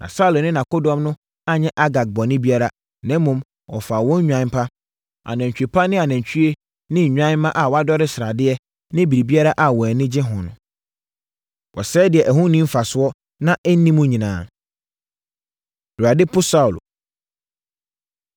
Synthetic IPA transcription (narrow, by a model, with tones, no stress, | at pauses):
nʔã̰˨sa˦u˨lnɪ̃˦nã˨ko˦dɔ̃˨˦mnʊ̃˦ | a˦ɲɛ̃˦ʔa˦ɡa˨k̚bɔ˨nɪ̃˦bi˦a˦ɾa˨ | nɛ̃ː˦ũ˨m | wɔ̰˨fa˨wɔ̃˦ɲ˦ɲᶣã˨˦n˦pʰa˦ | a̰˨nɛ̃˨ɲ˨t͡ɕᶣi˨pʰa˦nɪ̃˦a˨nɛ̃˨ɲt͡ɕʰᶣu˦e˦ | nɪ̃˦˨ɲᶣã˦nmã˦ʔa˨wa˦dɔ˦ɾɪ˦sɾa˨dɪ˦ɛ˦ | nɪ̃˦bi˨ɾi˨bi˦a˦ɾa˦ʔa˨wɔ˨nɪ̃˦d͡ʑɪ˦ɦʊ̃˨nʊ̰̃˨ | wɔ˨sɛː˦dɪ˨ɛ˨ʔæ˨ɦʊ̃˦nĩ˦m̩˦fa˨sʊ˦ɔ˦ | nã˦ʔɛ˦n̩˦nĩ˦mũ˦ɲĩ˨nã̰ː˨ | du˨a˨dɪ˦pʰʊ˦sa˦u˨l